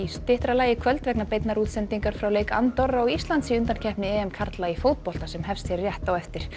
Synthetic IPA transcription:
ist̪ɪht̪ɾalaːjɪkʰvœlt̪vɛknapejt̪naɾuːt̪sɛnt̪iŋkaɾ̥fɾawleːjka̰nt̪ɔrːaɔɣist̪lant̪siʏnt̪ancʰɛhpnɪɛːɛmkʰaɾt̪laifoːwt̪̚pɔl̥t̪asɛmhɛfst̪ɛɾrjɛht̪awɛft̪ɪɾ̥

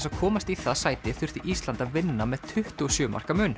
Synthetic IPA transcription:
sḁkʰɔːmast̪iθaðsaːjt̪ɪθʏr̥θiʔist̪lant̪aðvɪnːamɛð̥t̪ʰʏht̪ʏɔsjœːʏma̰r̥kamʏn

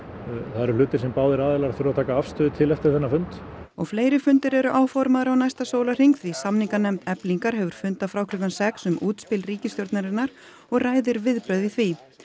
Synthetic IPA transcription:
θaðɛɾl̥ʏːt̪ɪɾ̥sɛmpaːwðɪɾaːðɪlaɾθɾʏaðt̪ʰaːkaafst̪ʏːðɪt̪ʰɪlɛft̪ɪɾθɛnːafʏnt̪ɔɣfleːjɾɪfʏnt̪ɪɾɛɾʏʔaːwfɔɾmaðʏɾawnajst̪asoːwlar̥iŋkθvisamniŋkanɛmt̪ɛpliŋkaɾ̥ɦɛvʏɾ̥fʏnt̪afɾawkʰɾʏkansɛksʏmʔuːt̪spɪlriːcɪst̪jɔɾt̪naɾɪnːaɾ | ɔɣraːjðɪɾvɪðpɾœːðiθvi

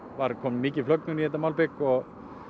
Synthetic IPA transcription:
vaɾkʰɔːmmiːcɪ̥flœk̚nʏniɛt̪̬ːamaːwlpɪkɔɣ

